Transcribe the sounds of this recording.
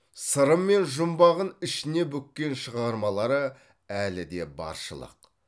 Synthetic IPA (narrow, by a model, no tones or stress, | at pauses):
səɾəmːe̞nʒʊmbɑʁənɪʃɪne̞bɵkʲːe̞nʃəʁɑɾmɑlˠɑɾə | ælɪd̪e̞̰bɑ̰ɾʃə̰lˠə̰q